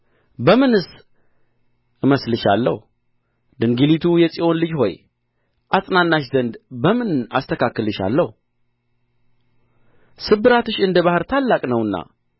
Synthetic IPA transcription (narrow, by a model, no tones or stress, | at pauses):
bəmɨnɨs | ʔɨməslɨʃa̰lːə̰h | d̪ɨŋɡilit̪ʰujɛsʼiʔo̞nlɨd͡ʒho̞̰j | ʔasʼnanːaʃzənd̪bəmɨna̰st̪ʰəkakːɨlɨʃa̰lːəhu | sɨbɨɾat̪ɨʃɨnd̪əβahɨɾt̪ʰalːakʼnəwɨnːa̰